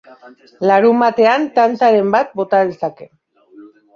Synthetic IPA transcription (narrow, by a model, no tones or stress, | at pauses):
laɾumbat̪e̞ant̪ant͡saɾe̞mbat̪̚bo̞t̪aðe̞sake̞